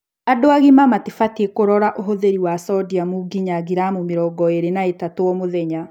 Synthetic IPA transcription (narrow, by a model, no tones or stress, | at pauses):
adoaɣimamatefatekoɾɔɾaʔoɦoðeɾiwasɔdiamuɡiɲaɡiɾamomeɾɔːɡɔeɾenaetatoɔmoðɛɲa